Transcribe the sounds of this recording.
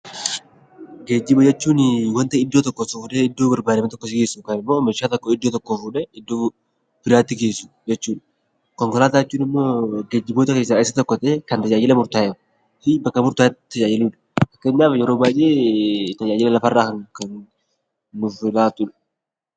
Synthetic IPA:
ɡeːd͡ʒːɪbɐd͡ʒɛt͡ʃːuːnɪwɐnt̪ɐɪd̪ːoːt̪ɔkːɔsʊfʊᶑɛɪd̪ːoːbɐɾbaːdɐmɐt̪ɔkːɔsɪɡe̞ːsːukɐnɪmːoːmɛʃaːt̪ɔkːoɪd̪ːoːt̪ɔkːofuᶑɛɪd̪ːo̞ː | bɪɾaːt̪ːɪɡe̞ːsːu̥ | d͡ʒɛt͡ʃːuːᶑ | kɔŋkɔlaːt̪at͡ʃːuːnɪmːo̞ːɡeːd͡ʒːɪboːt̪ɐke̞ːsːaːɪsɐt̪ɔkːɔt̪ɐekɐnt̪ɐd͡ʒaːjɪlɐmʊɾt̪aːjɛɾ | fɪbɐkːɐmʊɾt̪aːt̪ːɐd͡ʒaːjɪluᶑ̥ | ɐkːɐeɲːaːfjɛɾo̞ːbaːjʔeːt̪ɐd͡ʒaːd͡ʒɪlɐlɐfɐrːaːkɐŋkɐnː | ʊfɪlaːt̪ʼʊn

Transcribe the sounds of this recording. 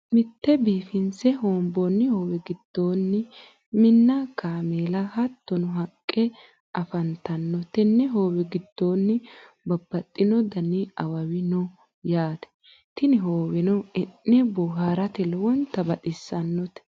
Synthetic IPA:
mɪt̪ːɛbiːfɪnsɛɦoːmbɔnːɪhoːwɛɡɪd̪̥ːo̞ːnːɪ | mɪnːɐkaːmeːlɐhɐt̪ːɔnʊɦɐkʼːɛ | ʔɐfɐnt̪ɐnːɔt̪ɛnːɛɦoːwɛɡɪd̪̥ːoːnːɪ | bɐbːɐt̪ʼːɪnɔd̪ɐnɪɐwɐwɪnɔ | jaːt̪ɛ̥ | t̪ɪnɪɦoːwɛnɔɪnːɛbɔɦaːɾɐt̪ɛlɔwɔnt̪ɐbɐt̪ʼɪsːɐnːɔt̪ɛ̥

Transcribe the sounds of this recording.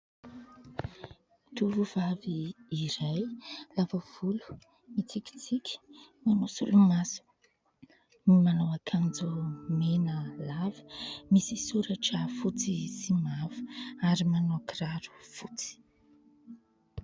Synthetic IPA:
t̪uɾuv̥aviːɾajlavəv̥ulu̥ | mit͡sikʲi̥t͡sikʲi̥ | manosṵlumasu̥ | mimanowakʰand͡zumenəlavə̥misisuɾaʈ͡ʂəfut͡sisimavu̥aɾimanokiraɾu̥fut͡si̥

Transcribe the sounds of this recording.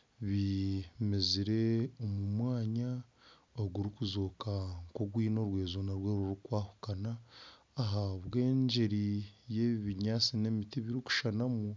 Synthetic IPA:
βimeziɾe̞omumwaːɲa | oɡuɾikuzoːkaŋko̞ɡwiːno̞ɾwe̞ːzonaɾweːɾuɾukwaːhu̥kanaː | ɦaβwe̞ːɲd͡ʒeɾije̞βiβiɲaːt͡sine̞mitiβiɾiku̥ʃanamu

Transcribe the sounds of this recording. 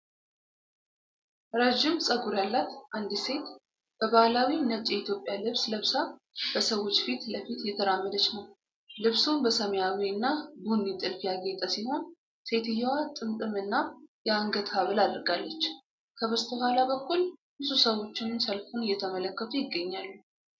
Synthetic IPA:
ɾəd͡ʒɪmsʼəɡuɾjalːat̪ʔand̪ise̞t̪ | b̥əβahlawinət͡ʃʼjɛit̪ʰjo̞pʼːjalɨβsləβsa | b̥əsəwo̞t͡ʃːfit̪ləfit̪jɛt̪ʰəɾamːəd̪ət͡ʃːnəw | lɨβsubəsəməjawiɨnːabunːit̪ʼɨlfijaɡet̪ʼəsiho̞n | se̞t̪ɨjːɛwat̪ʼɨmt̪ʼɨmɨnːajɛaŋɡət̪ʰaβɨlad̪ɾɡalːət͡ʃː | kʰəβəst̪ʰəhʷalabəkːulbɨsusəwo̞t͡ʃːɪnɨnsəlfunɨjːɛt̪ʰəmələkːət̪ʰujɪɡːəɲːalːu

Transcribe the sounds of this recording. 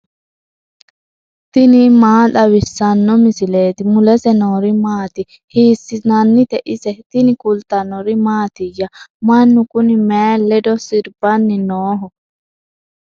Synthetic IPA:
t̪ɪnɪmaːɗɐwɪsːɐnːɔmɪsɪle̞ːt̪ɪmʊlɛsɛnoːɾɪmaːt̪ɪ | hiːsːɪnɐnːɪt̪ɛʔɪsɛt̪ɪnɪkʼʊlt̪ɐnɔɾɪmaːt̪ɪjːɐmɐnːʊkʊnɪmeːlːɛd̪ɔsɪɾbɐnːɪnoːɦɔ

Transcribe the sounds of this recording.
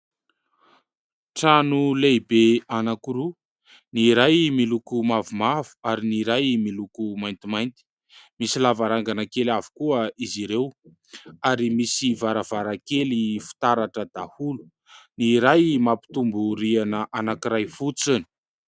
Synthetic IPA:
ʈ͡ʂanulejbeanakuɾu | niɾajmilukumavumavu̥aɾiniɾajmilukumajnt̪imajnt̪i̥ | misilavaɾaŋɡanakelavu̥kuəiziɾew | aɾimisivaɾavaɾakelifi̥t̪aɾaʈ͡ʂəd̪ahulu̥ | niɾajmapi̥t̪umbuɾianəʔanakiɾajfut͡sini̥

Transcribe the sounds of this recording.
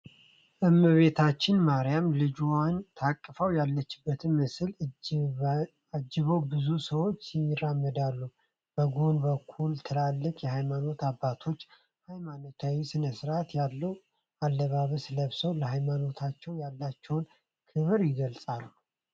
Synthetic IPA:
ʔɨmːɨβe̞t̪ʰat͡ʃːɪnmaɾijamlɨd͡ʒwant̪ʰakʼːəfəwjalːət͡ʃːɪbːət̪ʰɨnmɨsɨl | ad͡ʒːɨβəwbɨzusəwo̞t͡ʃːjɪramːəd̪alːu | b̥əɡo̞nbəkʰːult̪ʰɨlalːɨkʼjɛhajmano̞t̪abːat̪ʰo̞t͡ʃː | hajmano̞t̪ʰawisɨnəsɨɾat̪jalːəw | alːəβaβəsɨləβsəwləhajmano̞t̪ʰat͡ʃːɛwjalːat͡ʃːɛwn | kʰɨβɨɾjɪɡəlsʼalːu

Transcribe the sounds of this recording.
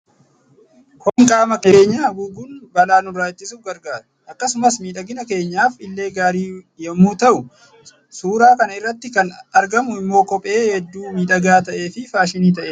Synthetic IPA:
kɔŋkʼaːmɐkeːɲːaːɡʊɡunbɐlaːnʊrːaːt͡ʃːɪs̬ʊfɡɐɾɡaːɾɐ̥ʔɐkːɐsʊmɐsmiːᶑɐɡɪnɐke̞ːɲːaːfɪlːe̞ːɡaːɾiː | jɛmuːt̪ɐʔʊ | suːɾaːkɐnɐɪrːɐt̪ːɪkɐnɐɾɡɐmʊɪmːo̞ːkɔpʼe̞ːhɛd̪ːuːmiːᶑɐɡaːt̪ɐʔe̞ːfɪfaːʃɪniːt̪ɐʔeː

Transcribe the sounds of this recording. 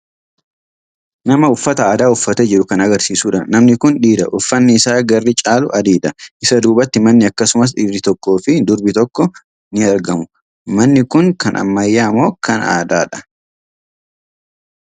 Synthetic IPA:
nɐmɐʊfːɐt̪ɐaːd̪aːʊfːɐt̪ed͡ʒɪɾʊkɐnɐɡɐɾsiːsuːᶑɐnɐmnɪkʊnᶑiːd̪ɐʔʊfːɐnːɪːsaːɡɐrːɪt͡ʃʼaːlʊʔɐd̪iːᶑɐʔɪsɐd̪uːbɐt̪ːɪmɐnːɪɐkːɐsʊmɐs̬ᶑɪbɾɪt̪ɔkːo̞ːfɪd̪ʊɾbɪt̪ɔkːɔ | nɪɐɾɡɐmʊ | mɐnːɪkʊŋkɐnʔɐ̰mːɐjːaːmoːkɐna̰ːd̪aːᶑɐ̥

